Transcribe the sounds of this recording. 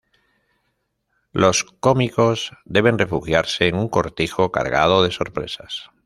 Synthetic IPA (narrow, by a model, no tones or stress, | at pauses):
lo̞sko̞miko̞zd̪e̞β̞e̞nre̞fuxjaɾse̞ːŋuŋko̞ɾt̪ixo̞ka̰ɾɣa̰ð̞o̞ðe̞so̞ɾpɾe̞̰sas